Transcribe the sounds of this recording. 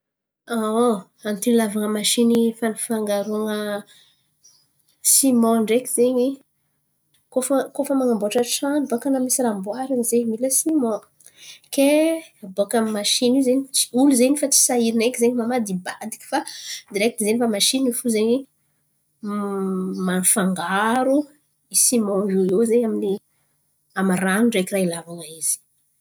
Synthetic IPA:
a | ant̪ilavaŋəmaʃinifanfaŋɡaɾuaŋə | simɔ̃ɳɖ͡ʐekizeɲi | kofəkofəmaŋamboaʈ͡ʂaʈ͡ʂanbokanamisiɾamboaɾanzemiləsimɔ̃ | kebokammaʃinizeni̥uluzenifat͡si̥saiɾinekizeɲimamad̪ibad̪i̥ki̥fad̪iɾɛk̚t̪izenifamaʃinifuzeɲi | manfaŋɡaɾu | isimouezeamini | amaranuɳɖ͡ʐekirailavaŋaiz̥i̥

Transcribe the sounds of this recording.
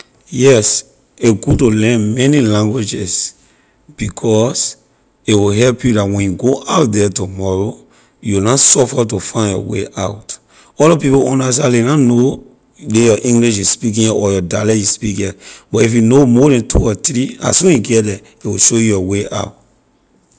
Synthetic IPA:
jɛs | eɡud̚tulɛ̃nmɛnilãŋɡwid͡ʒɛs | b̥ikʰɔs | iwiɦɛlpjudatwɛ̃njuɡoʔaʊt̚dɛtumɔɹo | junasɔfatufãɪ̃njɔ̰wḛʔaʊt | ɔlɔpipoɔ̃nas̬alinano | dejɔʔĩŋɡliʃisspik̬ĩnjɛʔɔjɔdalɛisspikɛb̥ɔtifjunomɔɾãntʰṵɔtɹia̰swɛ̃njuɡɛdɛ | ewiʃojujɔweʔa̰ʊt

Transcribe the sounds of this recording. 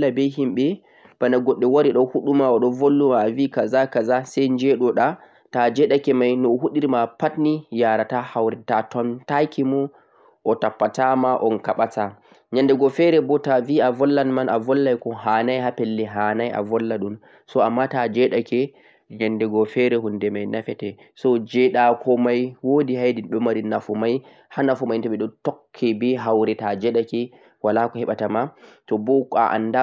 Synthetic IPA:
abɛɦimɓɛ | b̥anaɡɔɗːɛwaɾiɗɔhuɗumaɔɗɔvolːumaːvikazakazasɛjnd͡ʒɛɗɔɗa | tad͡ʒɛɗakɛmajnɔhuɗiɾmapatnijaɾatahawɾɛtatɔntakʰimɔ | ʔɔtapːatamaʔɔnkaɓata | ɲandɛɡɔfɛɾɛbɔtaviavɔlːanmanavɔlːajkɔhaːnajhapɛlːɛɦanaja̰vɔlːaɗun | sɔamːatad͡ʒɛɗakɛ | ɲandɛɡɔfɛɾɛɦundɛmajnafɛtɛ | sɔd͡ʒɛɗakʰɔmajwodihajdinɗɔmaɾinafumaj | hanafumajntɔɓɛɗɔtɔkʰːɛbɛɦawɾɛtad͡ʒɛɗakɛ | walakɔhɛɓatamatɔbɔa̰ʔa̰nda

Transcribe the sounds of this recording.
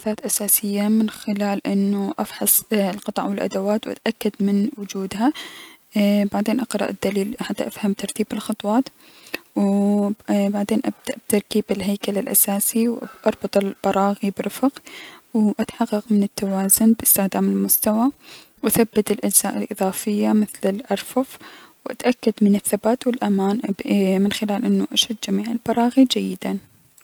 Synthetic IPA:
θaːt̪ʔasaːsɪjːamɪnxɪlaːlʔɪnːuʔɑfħɑsˤlqɑt̪ˤɑʕwɪlʔa̰d̪awaːt̪wʔa̰t̪ʔakːad̪mɪnwʊd͡ʒuːd̪ɦa | baʕd̪eːnʔɑqɾˤɑ̰ʔɪd̪ːaliːlħat̪ːaʔafhamt̪ɑɾˤt̪iːbɪlxɑt̪ˤwɑːt̪ | w | baʕd̪eːnʔabd̪̥aʔb̚t̪ɑɾˤkiːbɪlɦajkalɪlʔa̰saːsiwʔɑɾˤbɑt̪ˤɪlb̥ɑɾˤɑːɣibɾɪfqwʔat̪ħɑqːɑqmɪnɪt̪ːawaːzʊnbɪst̪ɪxd̪aːmɪlmʊst̪awa | wʔaθabːɪt̪ɪlʔad͡ʒz̥aːʔɪlʔɨðˤɑːfɪjːamɪθlɪlʔɑɾˤfʊfwʔa̰t̪ʔakːad̪mɪnɪθːabaːt̪wɪlʔamaːnmɪnxɪlaːlʔɪnːʊʔaʃad̪ːd͡ʒamiːʕɪlbɑɾˤɑːɣid͡ʒajːɪd̪an

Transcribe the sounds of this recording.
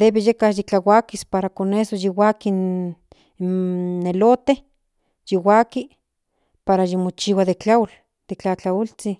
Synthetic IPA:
d̪eβejekajit͡ɬawakispaɾakonesojiwakin | elot̪e | jiwaki | paɾajimot͡ʃiwaðet͡ɬal | d̪̥et͡ɬat͡ɬault͡si

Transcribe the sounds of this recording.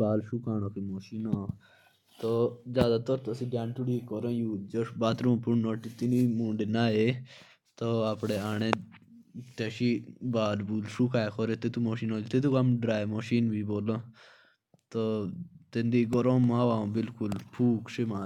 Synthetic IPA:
baːlʃuːkaːñõːkimoːʃiːnãː | t̪oːzjaːd̪aːt̪əɾt̪əsĩɖjãːnʈʊɽiːkɔɾõːjuːd͡ʒosbaːt̪ɾõːpʊɳnoːʈit̪ɪniːmũːɳɖenaːe | t̪oaːpɽeːaːɽ̃ẽː | t̪eːʃibaːlbuːlʃuːkaːekʰoɾet̪ɪt̪umoːʃiːnoːlit̪ɪt̪ukamɖɾaːemoʃiːnbiːboːlõː | t̪oːt̪ẽnd̪iːɡɔɾõːmːaːʋaːõːbɪlkʊlpʰuːkʃɪmaː

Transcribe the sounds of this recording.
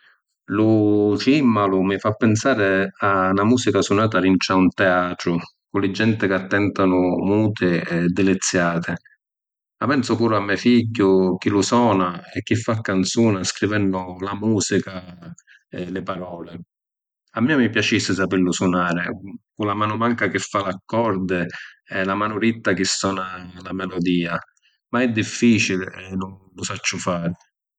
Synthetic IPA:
lʊt͡ʃimːalʊmɪfapːɪnsaːɾɪanamuːsikasunaːt̪aɾint͡ʃaunt̪ɛaːt̪ɾʊ | kʊlɪd͡ʒːɛnt̪ɪkɪat̪ːɛnt̪anʊmuːt̪ʰɪɛd̪ːɪlɪt̪sːjaːt̪ʰɪ | mapɛnsʊpuːɾʊamːɛfiɟːʊk̟ilusɔːnaɛk̟ːifːakːant̪suːnaskɾivɛnːʊlamuːsika | lɪpaɾɔːlɪ | amːiːamipjat͡ʃisːɪs̬apɪlːʊsunaːɾɪkulamaːnʊmaŋkak̟ɪfːalakːɔɾd̪ɪɛlamaːnʊɾit̪ːak̟ɪsːɔːnalamɛlɔd̪iːa | maɛd̪ːifːiːt͡ʃilɛnʊnlʊsat͡ʃːʊfaːɾɪ

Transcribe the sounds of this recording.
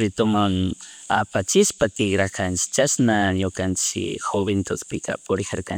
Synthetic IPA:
ɾɪt̪ʊmaŋ | a̰pat͡ʃɪʃpat̪ɪɡɾakʰant͡ʃɪ̥t͡ʃasnaɲokant͡ʃɪ̰xoβent̪ʊspɪkʰa̰pʊɾɪxaɾkan

